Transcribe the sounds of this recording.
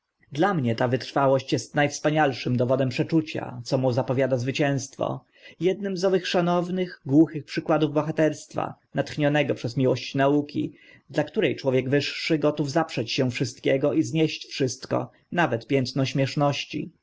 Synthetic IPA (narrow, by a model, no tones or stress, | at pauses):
d̪lamɲɛt̪avɘt̪ɾfawɔɕt͡ɕjɛst̪najfspaɲalʂɘmd̪ɔvɔd̪ɛmpʂɛt͡ʂut͡ɕa̰t̪sɔmuzapɔvʲjad̪azvɘt͡ɕɛ̃w̃st̪fɔ̰ | jɛd̪̚nɘmzɔvɘxʂanɔvnɘɣɡwuxɘxpʂɘkwad̪uvbɔxat̪ɛɾst̪fa̰nat̪xɲɔnɛɡɔpʂɛzmʲiwɔɕt͡ɕnaukʲḭ | d̪lakt̪uɾɛjt͡ʂwɔvʲjɛɡvɘʂːɘɡɔt̪uvzapʂɛt͡ɕɕɛ̃w̃fʂɘst̪kʲɛɡɔʔizɲɛɕt͡ɕfʂɘst̪kɔ̰ | navɛt̪pʲjɛnt̪nɔɕmʲjɛʂnɔɕt͡ɕḭ